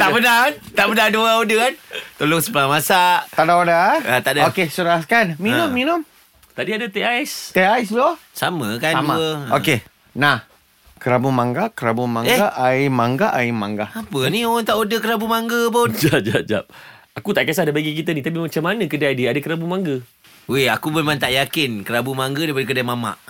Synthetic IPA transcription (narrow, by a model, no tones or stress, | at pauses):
t̪aʔbənaant̪aʔbənaduaodəkant̪olʊŋsəpəlamasaʔ̪aʔdaodaat̪aʔdaokesuɾaskanminʊmmːinʊm | t̪adiadat̪eaɛst̪eaislosamə̰kaamaəoke | nah | kəɾabumaŋɡakəɾabumaŋeɡaʔaimaŋɡaʔaimaŋɡaapənioɣaŋt̪aʔodəkəɾabumaŋɡəbʊnd͡ʒad͡ʒad͡ʒa̰p̚ | akut̪aʔkias̬adabaɡik̬it̪ənit̪ap̬imat͡ʃamanə̃kədaadiadakəɾabumaŋɡə | weakubumant̪aʔjakɪnkəɾabumaŋɡədajp̬adəkədamama̰ʔ